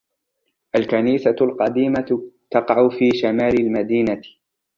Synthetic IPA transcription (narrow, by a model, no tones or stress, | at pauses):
ʔalkaniːsalqɑd̪iːmat̪ɑqɑʕʊfiːʃamaːlɪlmad̪iːna